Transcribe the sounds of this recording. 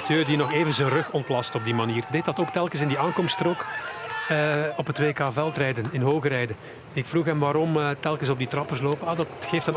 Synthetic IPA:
tʰøːdinɔxeːvənzənrɵxɔntlɑstɔb̚dimaniːrdet̚dɑtoːk̚tɛlˠkənsɪndiaːŋkɔmstrɔk | əɔpɦətʋeːkaːvɛlˠtrɛjdənɪnɦoːɣəɾɛjdə | ɪkfruxɦɛmʋaːɾɔmətɛlˠkənsɔb̚ditrɑpərsloːpəadɑtxeːftən

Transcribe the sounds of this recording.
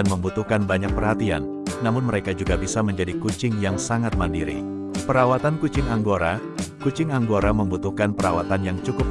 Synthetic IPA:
anməmbut̪uhkanbaɲak̚pərhat̪ia̰nː | amʊnməɾekad͡ʒuɡabisaməɲd͡ʒadikut͡ʃɪŋjaŋsaŋat̪̚mandiɾḭ | pəɾawat̪ankut͡ʃɪŋaŋɡoɾa̰ | kut͡ʃɪŋaŋɡoɾaməmbut̪uhkanpəɾawat̪anjaŋt͡ʃukʊp̚

